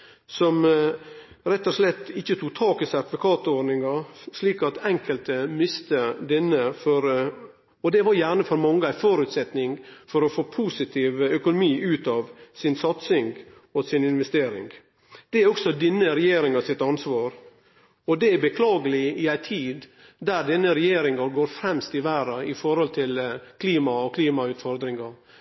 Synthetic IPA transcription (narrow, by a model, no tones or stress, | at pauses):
sɔm | ɾɛt̪ːɔʂlɛt̪ːɪçːət̪ʰuːk̚t̪ʰɑːkəsæɑt̪ʋʊkʰɑːt̪ɔɖnɪŋɑʂliːkɑt̪ɛŋkəlt̪əmɪst̪əd̪ɛnːəfɔɾ | ɔd̪ɛʋɑɾjæːɳəfɔɾmɑŋːəæɪfoːɾʉt̪sɛt̪nɪŋfɔɾɔfoːpʰuːsɪt̪ʰiːʋəœkʊnʊmiːʔʉːt̪ɑːʋsɪnsɑt̪sɪŋɡ | ɔsɪnɪnʋɛst̪eːɾɪ̰ŋɡ | d̪̥ɛæɔksɔd̪ɛnːəɾɛjeːɾɪŋɑsɪt̪ɑnsʋɑːɾ | ɔd̪ɛæbəkʰlɑːɡəlɪɪæɪt̪ʰiːd̪ | d̪æɾɖ̪ɛnːəɾɛjeːɾɪŋɑɾɡoːɾfɾɛmst̪ɪʋæːɾɑɪfɔɾhɔlt̪ʰɪlkʰliːmɑɔkʰliːmɑʉːt̪fɔɾd̪ɾɪŋɑ